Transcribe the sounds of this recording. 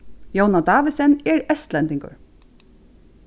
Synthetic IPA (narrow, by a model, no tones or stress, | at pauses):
jownad̪ɑːʋɪsɛnɛɹɛst̪lɛnt̪ɪŋkʊ̰ɹ